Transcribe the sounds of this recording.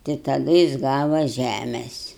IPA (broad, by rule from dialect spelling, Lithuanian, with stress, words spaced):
tɐɪ tɐˈdʊ jɪs ˈɡɑːʋɐ ˈʒʲæmʲɛsʲ